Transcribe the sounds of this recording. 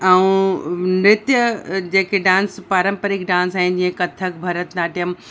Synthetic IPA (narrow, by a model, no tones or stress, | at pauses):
ɐũnɾɪt̪jəd͡ʑeːkeɖãːnspaːɾə̃mpəɾikɖãːns̬aːɦɪnd͡ʑiːə̃kɐt̪ʰəkbʱɐɾət̪naːʈijəm